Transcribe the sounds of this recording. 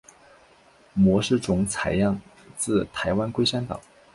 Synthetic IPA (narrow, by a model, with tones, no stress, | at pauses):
mwɔ˧˥ʂɻ̩˥˩ʈ͡ʂʊ˧˥ŋt͡sʰa˧˥ɪjɑ˥˩ŋt͡sɹ̩˥˩t̪ʰa˧˥ɪwa˥nkwe˥ɪʂa˥nt̪ɑ̰˨˩˦ŋ